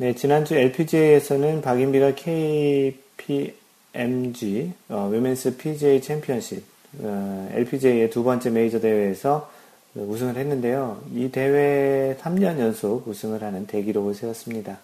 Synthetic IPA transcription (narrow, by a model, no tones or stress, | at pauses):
ne̞t͡ɕinand͡ʑue̞ɭpʰid͡ʑeiesʰʌnɯnpaɡimbiɡakʰe̞i | pʰi | emd͡ʑiʌwimens͈ʰɯpʰid͡ʑeit͡ɕʰempʰiʌnɕʰip̚ | ḛɭpʰid͡ʑeie̞tubʌnt͡ɕ͈e̞me̞id͡ʑʌde̞we̞ːsʰʌ | ɯus̬ʰɯŋɯɭɦe̞nːɯnde̞joite̞we̞sʰamɲʌɲjʌnsʰoɡusʰɯŋɯɭhanɯnte̞ɡiɾoɡosʰewʌs͈ɯmɲida